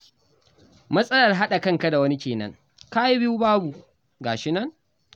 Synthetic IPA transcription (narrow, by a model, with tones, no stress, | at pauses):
mɐ˦sʼɐ˦lɐ˨rɦa˦ɗa˨kɐ˦˨ŋka˦da˨wɐ˦ni˦kʲeː˨nɐ̰˦ŋ | kaː˦ji˦bɪ˦ju˦baː˦bu˨ | ɡaː˨ʃɪ˦nɐ˦ŋ